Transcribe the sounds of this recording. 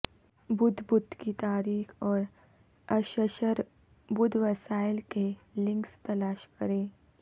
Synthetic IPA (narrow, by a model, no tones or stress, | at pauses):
bʊd̪ʱbʊd̪ʱkit̪aːɾiːxɔːɾ | ɐʃəʃəɾ | bʊd̪ʱʋɐsaːɪlkelɪ̃ŋkst̪ɐlaːʃkɐɾẽː